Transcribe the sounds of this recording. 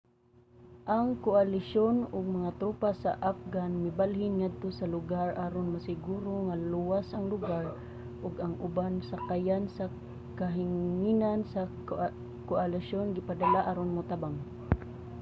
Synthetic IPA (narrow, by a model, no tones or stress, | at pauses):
ʔaŋkoalɪʃonʊɡ̚maŋat̪ɾuːpasa̰ʔap̚ɡanmɪbalhɪnŋad̪̚t̪osalʊɡaɹʔaɾonmasɪɡuːɾoŋaluwasʔaŋlʊɡaɹ | ʔʊɡaŋʔʊbansakajansa | kaɦɪŋinansa | koalɪʃonɡɪpad̪alaʔaːɾonmʊt̪abaŋ